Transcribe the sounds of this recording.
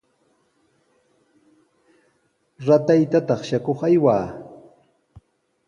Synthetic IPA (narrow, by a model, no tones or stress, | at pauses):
ɾat̪ajt̪at̪ɑχʃakoχajwaː